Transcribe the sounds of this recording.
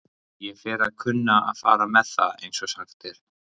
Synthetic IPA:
jɛfɛːɾaðkʰʏnːaa̰ðfa̰ːɾamɛðθa̰ðḛjnsɔsanft̪ɪɾ̥

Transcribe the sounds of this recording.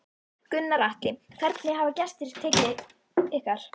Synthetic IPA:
kʏnːaɾaht̪ɪkʰvɛɾt̪nɪɦavacɛst̪ɪɾ̥t̪ʰɛːcɪ | ɪhkaɾ̥

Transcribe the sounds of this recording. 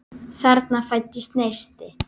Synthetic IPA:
θɛɾt̪nafajt̪ːɪst̪neːjst̪ɪ

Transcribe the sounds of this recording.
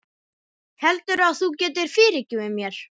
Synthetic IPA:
hɛlt̪ʏɾaðθucɛːt̪ɪɾ̥fɪːɾɪcːɪvɪmjɛɾ̥

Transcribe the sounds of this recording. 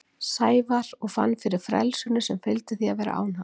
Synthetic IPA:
saːjvaɾɔɣfa̰nːfɪɾɪɾ̥fɾɛ̰lsʏnʏsɛmfɪlt̪ɪθiavɛːɾa̰ʔa̰ːwna

